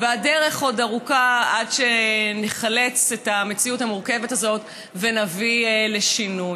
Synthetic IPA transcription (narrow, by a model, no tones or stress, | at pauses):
veadeʁe̞χo̞daʁukaadʃeneχale̞t͡setamet͡siuthamuʁke̞vetazo̞t | venavile̞ʃinuj